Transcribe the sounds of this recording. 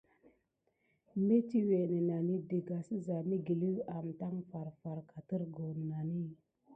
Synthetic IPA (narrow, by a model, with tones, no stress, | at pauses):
me˦ti˦we˨ne˨na˨ni˦də˨ɡa˨si˦za˨ni˦ɡi˨li˦a˨mta˦ŋfa˨ɾfa˨ɾka˨tə˦ɾɡo˨n˨na˨ni˦˨